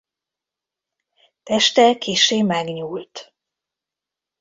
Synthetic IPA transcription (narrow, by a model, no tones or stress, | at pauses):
t̪ɛʃt̪ɛkʰeːʃeːmɛɡɲuːlt̪